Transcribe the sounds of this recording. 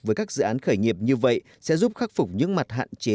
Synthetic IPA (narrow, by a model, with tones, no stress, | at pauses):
vəː˨˦jkaː˦˥k̚z̥ɨ̰˧˨ʔaː˨˦nxəː˧˩jŋi˨˩əp̚ɲɨ˧və̰˧˨j | sɛ̰˧˥zu˦˥p̚xaː˦˥k̚fʊ˨˩k͡p̚ɲɨ̰˧˥ŋma˨˩t̚ɦa̰ː˧˨nt͡ɕe˨˦